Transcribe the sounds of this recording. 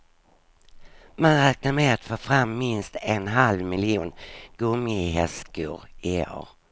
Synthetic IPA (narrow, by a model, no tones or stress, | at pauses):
manɾɛːk̚naɾmeat̪foːfɾamːɪnst̪ɛnɦalvmɪlɪuːnɡ̥ɵmɪɦɛskuːɾɪo̰ːɾ